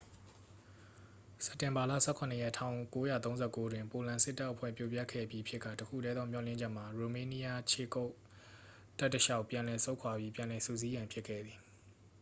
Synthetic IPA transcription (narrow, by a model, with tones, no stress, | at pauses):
sɛ˦ptːɪ̃˨mba˨la̰˦˨sɛ˦kʰʊ̃˨nə˨jɛ˦˨tʰã˦ʊ̃ko˦ja˦˨t̪õ˦zɛ˦˨ko˦dwɪ̃˨mpo˨lã˨sɪ˦tːa˦ʔəpʰwɛ̰˦˨pjo˦˨pja˦˨kʰɛ̰˦˨pji˦ʔpʰjɪ˦ʔkːä̰˦˨təkʰṵ˦˨ɾɛ˦d̪ðɔ˦m̥jɔ̰˨lɪ̃˦˨d͡ʑɛ˦ʔm̥a˨ɹo˨mẽ˨˦ni˦ja˦t͡ɕʰḛ˦˨ko˦ʊʔ | ta˦ʔtːəʃa˦ʊpjã˨lɛ˨so˦ʊ̃kʰwa˨bji˦pjã˨lɛ˨sṵ˦˨zi˦jã˨mpʰɪ˦kʰɛ̰˦˨d̪ði˨